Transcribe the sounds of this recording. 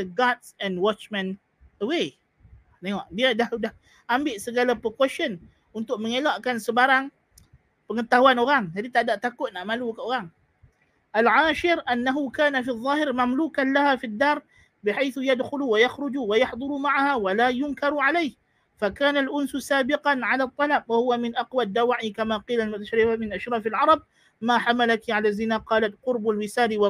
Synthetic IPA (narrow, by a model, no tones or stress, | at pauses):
əɡat̪sɛ̃nwɔt͡ʃmɛ̃n | əwe | t̪eŋɔʔbiadahdah | ʔambɪʔsəɡalapəkwɛʃɔn | unt̪ʊk̚məŋelaʔkansəbaɾaŋ | pəŋət̪aɦuanoɾaŋd͡ʒadit̪adaʔt̪akʊt̪̚naʔmalukəoɾaŋ | ʔalʕaːʃɪɾʔanːaɦukaːnafiðˤːɑːɦɪɾmamluːkanlaɦafid̪ːarˤ | bɪħajθjad̪xʊlwajɑxɾʊd͡ʒwajɑħd̪ˤʊɾˤumaʕahawalaːjʊnkɑɾˤʕalajh | fakaːnalʔʊnssaːbɪqanʕalat̪ˤːɑlabwahʊwamɪnʔɑqwad̪ːawaʕikamaqiːlalmʊt̪aʃɾɪfamɪnʔaʃɾˤɑːfalʕɑɾˤɑb̚ | maːħamalakiʕalazɪnaqɑːlat̪qʊɾbalwɪsaːliw